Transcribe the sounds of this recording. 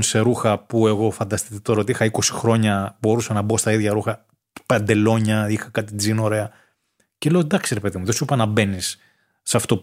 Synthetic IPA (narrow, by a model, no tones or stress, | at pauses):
nse̞ɾuxɐpue̞ɣo̞fɐnd̪ɐst̪it̪et̪oɾɐo̞t̪iixɐiko̞si̥xɾo̞ɲɐbo̞ɾusɐnɐbo̞st̪ɐiðʝɐɾuxɐ | pɐnd̪e̞lo̞ɲɐixɐkɐt̪id͡zino̞ɾe̞ɐ | cele̞od̪ɐksiɾepe̞ðimuðesupɐnɐbe̞nisː | ɐft̪o̞